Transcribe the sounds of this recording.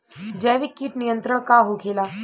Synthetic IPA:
d͡ʒɛːʋikːiːʈnijə̃nt̪ɾəɽ̃kaɦokʰeːlaː

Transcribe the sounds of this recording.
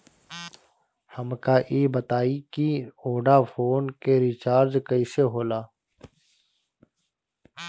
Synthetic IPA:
həmkaːʔiːbət̪aːiːkioːɖaːfʰoːnkeːɾiːt͡ʃaːɾd͡ʒkəiːseːɦoːlaː

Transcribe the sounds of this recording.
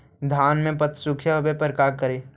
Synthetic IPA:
d̪ʱaːnmẽpət̪sʊkʰʃaɦɐbepəɾkaːɾkəɾeː

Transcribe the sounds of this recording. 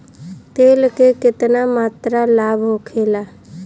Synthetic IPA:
t̪eːlkekɪt̪namaːt̪ɾalaːbɦokʰeːlaː

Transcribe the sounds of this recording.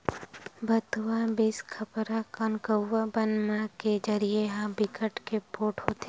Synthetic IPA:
bət̪wabɪskʰəpɾakənkəːabənmãked͡ʒəɾieɦãbɪkəʈkepoːʈɦoːt̪e

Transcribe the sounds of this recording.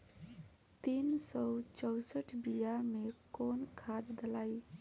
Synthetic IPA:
t̪insɔwt͡ʃɔʊsəʈʰbijamekonkʰad̪ːəlai

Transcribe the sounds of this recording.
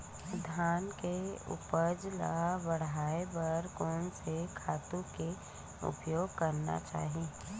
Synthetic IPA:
d̪ʱaːnkeʊ̰pəd͡ʒla̰abəɽ̤aːebəɾkɔːnsekʰaːt̪ũke | ʊ̰pjoːɡkəɾna̰t͡ʃa̰ːɦi

